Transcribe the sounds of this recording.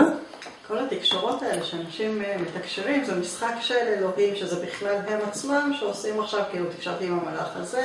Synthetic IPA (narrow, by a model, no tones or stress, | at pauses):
kʰo̞lhat̪ikʃoʁo̞t̪aeleʃeanaʃimmet̪akʃiʁimzemisχakʃelelo̞ɦimʃezebiχlalɦe̞mat͡smamʃeosimaχʃavkiilut̪i̥kʃaʁt̪iimamalaχa̰ze